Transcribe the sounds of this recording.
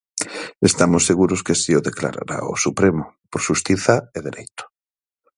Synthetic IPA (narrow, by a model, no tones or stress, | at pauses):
est̪amʊsːeɣuɾʊskesioðekla̰ɾa̰ɾa̰o̰supɾemʊpoɾʃust̪iθaeðeɾejt̪ʊ̥